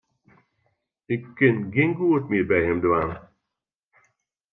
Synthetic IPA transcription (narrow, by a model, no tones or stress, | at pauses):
ɪkːɪnɡɪnɡuətmɪːrbɛjɦɛmdʋan